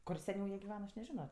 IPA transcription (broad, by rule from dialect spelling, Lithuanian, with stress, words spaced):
ˈkʊr sʲɛˈnʲɛʊ ˈjiɛ ɡʲɪˈʋʲæːnɐ ˈɐʃ nʲɛˈʒʲɪnoː